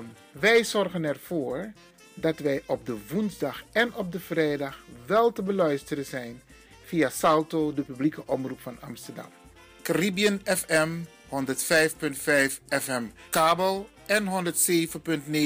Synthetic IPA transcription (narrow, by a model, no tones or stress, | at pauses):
ʋɛjzɔrχənɛrv̥ʊːɹ | dɑtʋɛjʔɔp̚dəʋunzdɑχɛnɔp̚dəv̥rɛjdɑχʋɛlˠtəbəlœɥstərəzɛjn | v̥ijasɑlˠtoːdəpyblikəʔɔmrupfɑnɑ̰mstəɹdɑ̰m | karibijənɛfɛm | hɔndəɹtfɛjfpɵntfɛjfɛfɛmkaːbəlˠ | ɛnɦɔndəɹtseːvənpɵntne